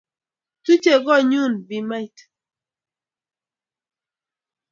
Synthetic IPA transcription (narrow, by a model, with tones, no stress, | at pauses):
tu˦t͡ʃe˨ɡɔ˦˨ɲu˦˨nbi˨ma˦i˨t